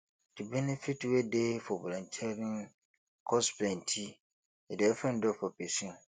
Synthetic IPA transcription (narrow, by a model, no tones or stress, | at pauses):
d̥ɪbɛnefitwedefɔbɔ̰lɔ̃ntʰɛɾĩn | kʰɔsplɛ̃ntʰi | ɛdɛfɛ̃ndɔfɔpesĩɔ̃